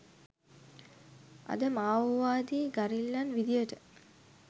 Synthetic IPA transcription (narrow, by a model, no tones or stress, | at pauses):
a̰d̪əmaːʋʋaːd̪iːɡaɾilːanʋid̪ijəʈə